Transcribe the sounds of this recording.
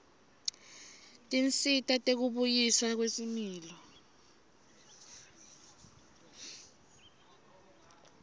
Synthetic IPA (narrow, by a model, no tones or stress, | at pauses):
tʼint͡sʼitʼatʼek̬uɓujisak̬wesimiːlɔ